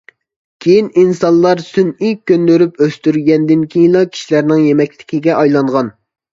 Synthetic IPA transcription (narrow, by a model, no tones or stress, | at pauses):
kʲʰejininsɑnˠlˠɑɾsynikʲʰːøndøɾypøst̪yɾɡʲɛnd̪ɪnkʲʰejinlˠɑkʲʰi̥ʃilæɾnɪŋjemɛkʲlɪ̥kʲiɡʲɛʔɑjlˠɑɴʁɑn